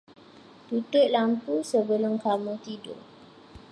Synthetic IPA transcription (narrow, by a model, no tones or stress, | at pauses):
t̪ut̪ʊʔ̪̚lampusəbəlʊmkamũt̪idʊ̰